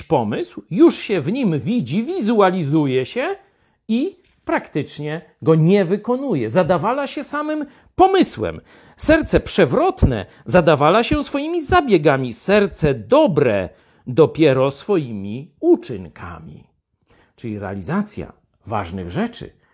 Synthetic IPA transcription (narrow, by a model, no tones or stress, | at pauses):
pɔmɘswjuʂɕɛvɲimvʲid͡ʑivʲizualʲizujɛɕɛ | i | pɾakt̪ɪt͡ʂɲɛ | ɡɔɲɛvɘkɔnujɛzad̪avalaɕɛsamɘm | pɔmɘswɛ̰m | sɛɾt̪sɛpʂɛvɾɔt̪nɛ̰ | zad̪avalaɕɛsfɔjimʲizabʲjɛɡamʲisɛɾt̪sɛd̪ɔbɾɛ̰ | d̪ɔpʲjɛɾɔsfɔjimʲiut͡ʂɘŋkʰa̰mʲḭ | t͡ʂɘlʲiɾɛa̰lʲizat̪sʲja̰ | va̰ʐnɨ̰ɣʐɛt͡ʂɘ̰